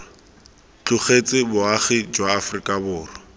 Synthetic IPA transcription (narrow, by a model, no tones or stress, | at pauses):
t͡ɬʊχet͡sʼɪbʊaχɪd͡ʒwaːfʊrikʼabʊːrɔ